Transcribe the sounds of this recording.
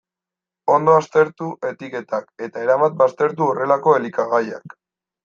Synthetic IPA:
o̞nd̪o̞ast̪e̞ɾt̪uʔe̞t̪ike̞t̪ake̞t̪aeɾaβat̪̚bast̪e̞ɾt̪uore̞lako̞e̞likaɣaja̰k

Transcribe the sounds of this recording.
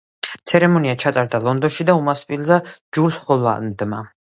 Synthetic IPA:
t̪sʰɛɾɛmɔniat͡ʃʰat̪ʼaɾd̪alˠɔnd̪ɔnʃid̪aumaspʼilzad͡ʒuɾsχɔla̰nd̪ma

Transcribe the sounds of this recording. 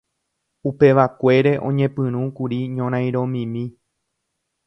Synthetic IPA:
upe̞ʋakʷe̞ɾe̞ʔõɲẽ̞pɨ̃ɾ̃ũkuɾiɲõɾ̃ãj̃ɾõ̞mĩmĩ

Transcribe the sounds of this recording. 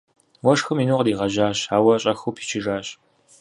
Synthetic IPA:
wɐʂxɨminuːqdiːʁɐʑaːɕaːwɐɕʼɐxuwpʰi̥ːt͡ʃʰɪʐaːɕ

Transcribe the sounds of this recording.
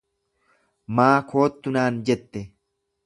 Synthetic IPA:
maːkʰo̞ːt̪ːʊnaːnd͡ʒɛt̪ːɛ

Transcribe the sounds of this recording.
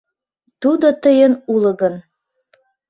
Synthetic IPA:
t̪ud̪ot̪əjənulə̆ɣən

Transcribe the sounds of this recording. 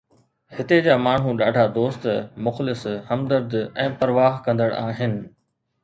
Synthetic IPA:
hɪt̪ed͡ʑaːmaːɳ̤ɦũɗaːɖʱad̪oːst̪mʊxlɪshɐmd̪əɾd̪ɛ̃ːpɐɾʋaːɦkɐ̃nd̪əɽʔaːɦɪnɪ̆

